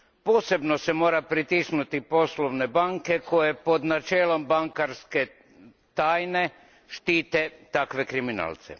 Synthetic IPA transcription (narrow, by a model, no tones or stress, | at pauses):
po̞ːse̞bno̞se̞mo̞ːɾapɾit̪isnut̪ipo̞sloʋne̞baŋke̞ko̞je̞po̞d̪nat͡ʃeːlo̞mbaŋkaɾske̞ | t̪aːjne̞ | ʃt̪iːt̪e̞t̪akʋe̞kɾimina̰ːlˠt̪sḛ